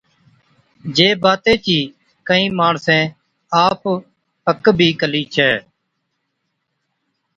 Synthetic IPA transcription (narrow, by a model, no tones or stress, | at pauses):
d͡ʒeːbaːt̪ẽːt͡ʃiː | kəĩːmaːɳsẽː | aːp | əkbʱiːkəliːt͡ʃʰɛː